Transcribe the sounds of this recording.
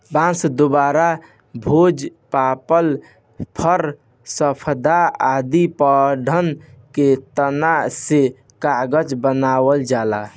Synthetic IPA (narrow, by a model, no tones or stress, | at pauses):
bãsd̪obaɾa | bʱod͡ʒpapəl | pʰəɾ | səpʰd̪aad̪ipəɖʱənket̪ənase | kaɡəd͡ʒbənawəld͡ʒala